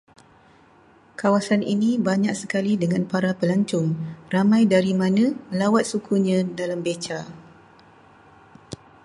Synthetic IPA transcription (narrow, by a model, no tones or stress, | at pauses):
kawasanḭnĩbaɲak̚səkalidəŋãnpaɾapəlaɲt͡ʃʊŋramãjdaɾimãnãmə̃lawat̪̚sukʰuɲãdalambet͡ʃa